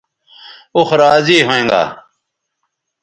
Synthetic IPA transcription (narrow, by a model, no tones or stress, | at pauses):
uxɾaːziːɦoẽːŋɡa̰ː